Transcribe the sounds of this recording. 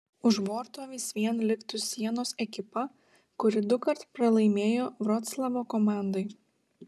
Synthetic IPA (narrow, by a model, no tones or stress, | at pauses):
ʊʒboːɾt̪oːʋʲɪsʋʲiɛnlʲɪkt̪ʊsʲiɛnoːsɛkʲɪpɐ | kʊɾʲɪd̪ʊkɐɾt̪pɾɐlˠɐɪmʲeːjoːʋɾɔt̪slˠɐʋoːkɔmɑˑnd̪ɐɪ